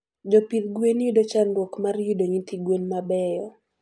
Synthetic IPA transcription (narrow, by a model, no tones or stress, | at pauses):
d͡ʒopid̪ɡwenudot͡ʃandwɔkmarjudoɲit̪iɡwenmabɛjɔ